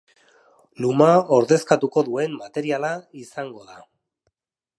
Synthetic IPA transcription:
lumao̞ɾðe̞skat̪uko̞ðue̞mːat̪e̞ɾialaisaŋɡo̞ða

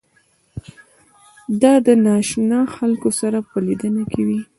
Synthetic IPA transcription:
d̪ɑd̪ənɑʃnɑxalkosaɾapəlid̪ənakʰewi

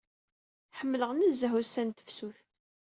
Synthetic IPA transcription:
ħəmːələʁnəzːəɦusænt̪ə̥fsuθ

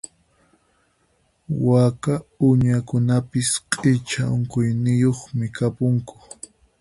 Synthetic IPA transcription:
wakaʊɲakʊnapɪsqʼɪt͡ʃaʊŋkʊjnɪjoχmɪkapʊŋkʊ̥

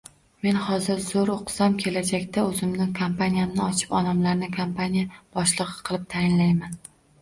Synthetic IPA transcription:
me̞nhɒzɪɾzoɾoqʰsamkʲʰe̞lad͡ʒakʲt̪ʰaɵzɪmnɪkʰampanijamnɪɒt͡ʃʰɪ̥pɒnamlaɾnɪkʰampʰanijab̥ɒʃlˠɨʁɨ̥qʰɨlˠɪp̚t̪ʰajɪnlajman

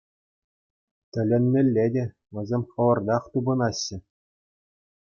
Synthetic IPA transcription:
t̪ʲɘ̆lʲenʲmʲɘ̆lʲːedʲe | ʋʲɘ̆zʲemʲχɤ̆ʋɤ̆rd̪ɑχt̪ubɤ̆nɑɕːɘ̆

